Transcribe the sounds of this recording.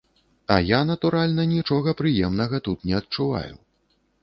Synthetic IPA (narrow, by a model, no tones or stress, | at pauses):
ɐ̰janɐt̪uɾalʲnɐnʲit͡ʂɔɣɐpɾɨjɛmnɐɣɐt̪ut̪nʲɛɐt̪̚t͡ʂuva̰jṵ